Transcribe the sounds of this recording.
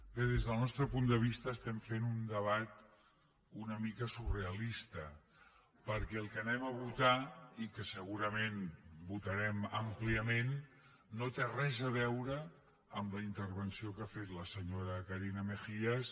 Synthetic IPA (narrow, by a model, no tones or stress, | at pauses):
kəðezð̞əlˠnɔst̪ɾəpund̪əβ̞ist̪əːst̪ɛmfenund̪əβ̞at̪̚ | unəmikəsureəlist̪ə | pəɾkɛːlˠkənɛməβut̪aikəsəɣuɾəmenbut̪əɾɛməmpliəmenː | ot̪erɛzəβ̞ɛwɾə | əmləint̪əɾβənsiokafet̪ləsəɲoɾəkəɾinəməxiəs